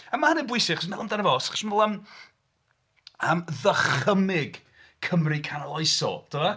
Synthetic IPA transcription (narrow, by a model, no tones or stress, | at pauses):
əmaənɛbwʊjsɪχɔsmɛlˠəmdanəvɔsḁχʃnvolˠəm | əmðəχəmɪɡ | kʰəmrikʰanalˠɔjsɔ̰d̥əa